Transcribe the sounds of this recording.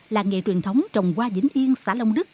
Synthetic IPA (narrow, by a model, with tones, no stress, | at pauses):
laː˨˩ŋḛ˨˩t͡ɕwi˨˩ənt̪ʰə˨˦wŋ͡mt͡ɕə˨˩wŋ͡mkwaː˧zï˨˦ŋ̟ʔi˧ənsaː˧˩˦lə˧wŋ͡mɗɨ˦˥k̚